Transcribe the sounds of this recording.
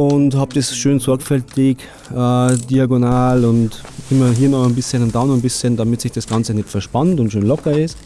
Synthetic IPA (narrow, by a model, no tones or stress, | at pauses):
ʊnthaːb̚d̥esʃøːnsɔɐkfɛltɪk | ʔɛːdiaɡonaːlʊntʔɪmɐɦiːɐnɔxnbɪsçənad̥anənbɪsçəndamɪtsɪçd̥esɡ̥ant͡sənɛtfɛɐʃpantʊntʃøːnlɔkɐɪs